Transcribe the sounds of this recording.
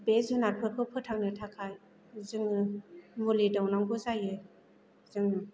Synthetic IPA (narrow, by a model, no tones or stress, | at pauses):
bezɯnaɾpʰɯɾ̚pʰɯpʰɯtʰaŋnɯtʰakʰaj | zɯŋɯmulidɔwnaŋbɯzajɯ | z̥ɯŋ